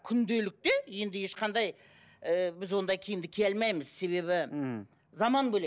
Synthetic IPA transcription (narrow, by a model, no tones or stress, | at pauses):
kʲʰʏnd̪e̞lɪk̚t̪e̞je̞nd̪ɪje̞ʃqɑnd̪ɑj | bɪzwo̞nd̪ɑjkʲʰijɪmd̪ɪkʲʰelmɑjmɪzse̞βe̞βɪ | zɑmɑnbɵle